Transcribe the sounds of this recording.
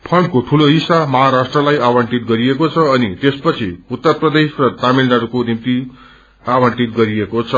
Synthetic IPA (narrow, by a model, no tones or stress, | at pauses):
pʰʌɳɖkoʈʰuloɦisamʌɦaɾasʈrʌlajawaɳʈit̪̚ɡʌɾiekot͡sʰʌːnit̪espʌt͡sʰiut̪ːʌrprʌd̪esrʌt̪amilnaɾukonimt̪i | awʌɳʈit̪̚ɡʌɾiekot͡sʰʌ